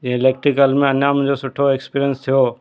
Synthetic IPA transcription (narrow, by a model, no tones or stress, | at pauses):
ẽɪleːk̚ʈɾikəlmẽɐnjamʊ̃ɦd͡ʑosʊʈʰoekspiːɾijənst̪ʰijo